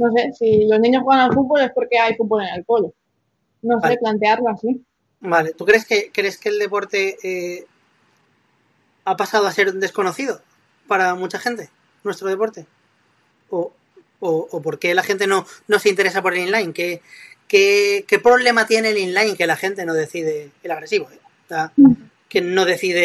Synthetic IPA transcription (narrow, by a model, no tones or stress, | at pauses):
no̞s̬e̞silo̞znĩɲoxweanalfut̪̚bo̞le̞spo̞ɾke̞ajfut̪̚βo̞le̞nelko̞lo | no̞seplant̪e̞aɾloasi | balet̪ukɾe̞ske̞kɾe̞ske̞ːld̪e̞po̞ɾt̪e̞e | apasað̞oase̞ɾd̪e̞sko̞no̞θiðo | paɾamut͡ʃaχe̞nt̪e̞ | nwe̞st̪ɾo̞ð̞e̞po̞ɾt̪e̞ | o | oʔːpo̞ɾke̞laxe̞nt̪e̞no̞no̞seint̪e̞ɾe̞sapo̞ɾelinlajŋke̞ke̞ke̞pɾo̞β̞le̞mat̪je̞nelinlajŋke̞laxe̞nt̪e̞no̞ðe̞θiðe̞elaɣ̞ɾe̞siβo̞e | a | ke̞no̞ð̞e̞θiðe̞